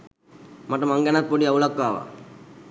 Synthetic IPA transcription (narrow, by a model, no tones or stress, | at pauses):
maʈːɐmaŋɡanak̪̚poɖiaulakːʋaːʋa̰